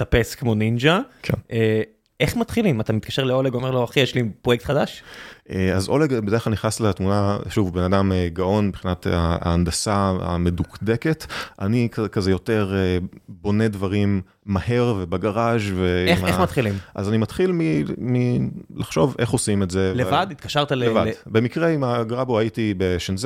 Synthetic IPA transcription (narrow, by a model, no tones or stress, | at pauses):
t̪apeskmo̞nind͡ʒakʰɛʔe | ʔeχmat̪χilimat̪amit̪̚kaʃeʁleoleɡomeʁloaχijeʃlipʁojek̚t̪χadaʃʔeazoleɡbedχlalniχnasletmunaʃuvbenadameɡaʔo̞nbχinat̪aa̰ːnd̪asaa̰medukdeketʔa̰nikakazejote̞ʁebo̞nedvaʁimː | ahe̞ʁvebaɡaʁaʒveemaemat̪χilimmʔazanimat̪χilmimilaχʃo̞vʔe̞χo̞simetzevlevadit̪̚kaʃaʁt̪alevadbemikʁeimaɡʁaboaitibeʃenz